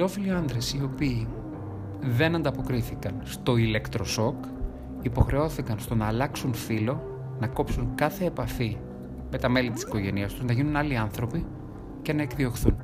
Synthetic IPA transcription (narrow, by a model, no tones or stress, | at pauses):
ilo̞filiɐnd̪ɾe̞sio̞piː | ðe̞nɐnd̪ɐpo̞kɾiθikɐnst̪o̞ile̞kt̪ɾo̞so̞k | ipo̞xɾe̞o̞θikɐnst̪o̞nɐːlɐksunfilo̞ | nɐko̞psuŋkɐθe̞ːpɐfi | me̞t̪ɐme̞lit̪i̥si̥ko̞ʝe̞niɐst̪uznɐʝinunɐliɐnθɾo̞pi | ce̞nɐe̞kðio̞xθṵn